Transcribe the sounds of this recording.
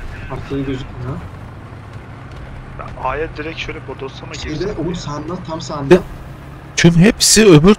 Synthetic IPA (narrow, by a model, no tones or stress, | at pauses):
aɾt̪ʰˠɯɯɡøzykʲna | ba̰aːjɛd̪iɾɛcʃøjlʲɛbod̪osamaied̪ɛʔonsand̪at̪ʰamsand̪ | t̪ʰymɦepsiøbyɾ